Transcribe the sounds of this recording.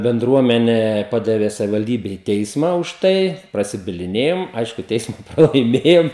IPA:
bʲɛnˈdruɔmʲɛnʲɛ ˈpɑːdɐʋʲɛ sɐʋʲɪʋɐlʲˈdʲiːbʲɛ iː ˈtʲɛɪsmɐ ʊʃ ˈtɐɪ prɐsʲɪbʲɪlʲɪˈnʲeːjoːm ˈɐɪʃkʊ ˈtʲɛɪsmɐ prɐlˠɐɪˈmʲeːjoːm

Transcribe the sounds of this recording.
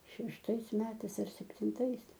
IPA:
ʃʲɛʃˈtɐɪs ˈmʲæːtɐɪs ɐr sʲɛpʲtʲɪnˈtɐɪs

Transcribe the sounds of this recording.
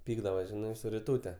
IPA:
ˈpʲiːɡdɐʋoːs ˈʒʲɪnɐɪ sʊ rʲɪˈtuːtʲɛ

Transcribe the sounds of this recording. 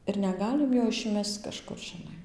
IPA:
ɪr nʲɛˈɡɑːlʲɪm joː ɪʃʲˈmʲɛst͡s kɐʃˈkʊr ʒʲɪˈnɐɪ

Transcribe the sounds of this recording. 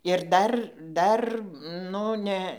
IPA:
ɪr ˈdɐr ˈdɐr ˈnʊ nʲɛ

